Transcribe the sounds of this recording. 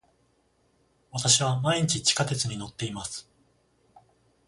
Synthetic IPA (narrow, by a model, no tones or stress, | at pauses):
βat̪aɕiβamaiɲ̟it͡ɕit͡ɕi̥kat̪e̞t͡sɨɲ̟ino̞t̪ːe̞imasɨ̥